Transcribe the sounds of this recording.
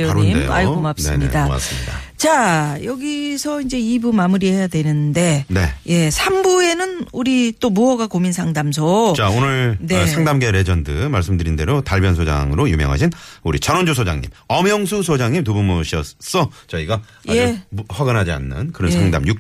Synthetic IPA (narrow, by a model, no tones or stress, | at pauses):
oaɾonideja̰ɭɡomap̚sɯemɲidama̰s͈ɯmɲida̰t͡ɕajʌɡisʰʌind͡ʑe̞ibumamuɾie̞jadwe̞nɯnnde̞ne̞je̞sʰambue̞nɯnuɾit͈omuʌɡakominsʰaŋdams̬ʰʌt͡ɕaonɯɭnesʰaŋdamɡe̞ɾe̞d͡ʑʌndɯmaɭs͈ɯmdɯɾinde̞ɾotaɭbjʌnsʰod͡ʑa̰ŋɯɾojumjʌŋɦa̰ɕʰinuɾit͡ɕʌnond͡ʑos̬ʰod͡ʑa̰ŋɲḭmʌmjʌŋsʰusʰod͡ʑaŋɲimtubumuɕʰiʌs͈ʌt͡ɕʌiɡa | eɸwaɡɯnɦad͡ʑia̰nːɯ̰nkɯɾʌnnsʰaŋda̰mjuk̚